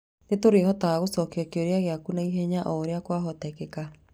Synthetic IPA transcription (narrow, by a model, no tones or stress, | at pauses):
netoɾehɔtaaɣosɔkeɔkeoɾeaɣeakunaiɦɛɲaʔɔɾeakwaɦɔtɛkɛka